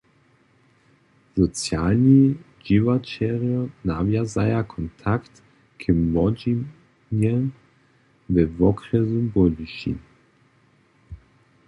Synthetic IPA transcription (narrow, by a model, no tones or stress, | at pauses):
z̥ɔt͡sjalɲi | d͡ʒivat͡ʃɛʁjɔnavjazajakʰɔnt̪ʰakt̪ | kʰɛmmɔd͡ʒi | nɲɛ | vɛvɔkɾɛzumbɔliʃḭ